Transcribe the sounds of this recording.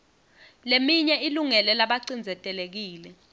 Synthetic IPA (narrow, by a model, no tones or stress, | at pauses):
lemiɲɛiluŋɛlɛlaɓaǀind͡zʱɛtʼɛlek̬iːlɛ